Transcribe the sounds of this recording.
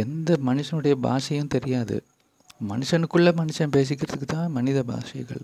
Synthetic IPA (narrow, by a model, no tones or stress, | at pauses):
ɛnd̪ɐmɐnɯʂɐnɯɽɐjɐba̰ːsɐjʊ̃mt̪ɛɾɪjaːðɯ̰ | mɐnɯʂɐnɯkːɯɭːɐmɐnɯʂɐnpeːs̬ɪk̬ʲːɪɾɐðɯkːɯt̪ːãːmɐnɪðɐba̰ːʂɐɣɐ̰ɭ